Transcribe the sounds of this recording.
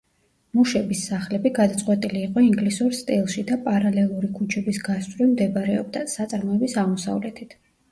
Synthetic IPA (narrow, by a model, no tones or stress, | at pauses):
muʃɛbisːaχlɛbiɡad̪at̪sʼqʼwɛt̪ʼiliːqʼɔiŋɡlisuɾst̪ʼilˠʃid̪apʼaɾalɛlˠuɾikʰut͡ʃʰɛbisɡast̪ʼɾimd̪ɛbaɾɛɔ̰b̚d̪asat̪sʼaɾmɔɛbisaʁmɔsa̰vlɛt̪ʰit̪ʰ